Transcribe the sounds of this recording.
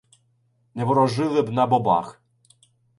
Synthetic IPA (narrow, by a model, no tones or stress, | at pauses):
nɛvɔɾɔʒɪʋɪbnabɔba̰x